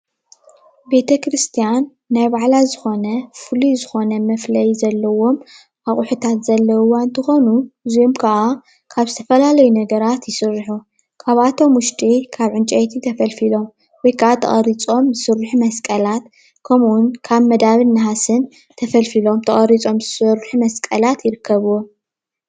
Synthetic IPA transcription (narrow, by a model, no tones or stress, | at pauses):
be̞t̪ʰɐkɾɨst̪ʰijanː | ajbaʕlazɨxo̞nɐfɨluzɨxo̞nɐmɐflɐjzɐlːɐwo̞m | ʔaxʼʊħut̪ʰat̪z̥ɐlːɐwuwant̪ʰɐxo̞nuɨzijomkʰɐʔa | kʰaβzɨt̪ʰɐ̥fɐlalɐjunɐɡɐɾat̪jɪsɨrːɨħu | kʰaβat̪ʰo̞mwʊʃt̪ʼikʰaβʕɨnt͡ʃʼɐjt̪ʰit̪ʰɐfɐlfilo̞m | wɔjkʰɐʔat̪ʰɐ̰χʼɐɾit͡sʼo̞mzɨsɨɾːɨħumɐskʼɐlat̪ | kʰɐmʔunkʰaβmɐd̪aβɨnːɐɦasɨn | t̪ʰɐfɐlfilo̞mt̪ʰɐχʼɐɾit͡sʼo̞mzɨsɨɾħumɐskʼɐlat̪jɪɾɨkʰːɐβuwo